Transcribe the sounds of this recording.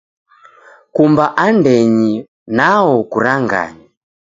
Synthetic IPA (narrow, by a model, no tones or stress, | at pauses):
kumbaʔandɛɲi | naɔkuɾaŋɡa̰ɲa